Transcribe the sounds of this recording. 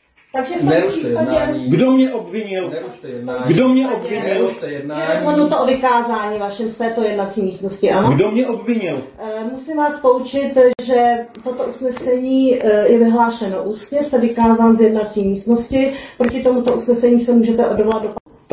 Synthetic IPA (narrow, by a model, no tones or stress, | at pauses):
t̪aɡʒɛfipaɛɡdomɲɛʔobvɪɲɪl | ɡdomɲɛʔobvɪɲɪɛɛanot̪ovɪkaːzaːɲiːvaʃɛmst̪ɛːt̪ojɛdnat͡siːmiːst̪noscɪʔanoɡdomɲɛʔobvɪɲɪl | musɪmvaːspout͡ʃɪt̪ʒɛt̪o̞t̪oʔusnɛsɛɲiːjɛvɪɦlaːʃɛnoʔuːst̪ɲɛst̪ɛvɪkaːzaːnzjɛdnat͡siːmiːst̪no̞scɪpɾocɪt̪o̞mut̪oʔusnɛsɛɲiːsɛmuːʒɛt̪ɛʔodovlad̪dopa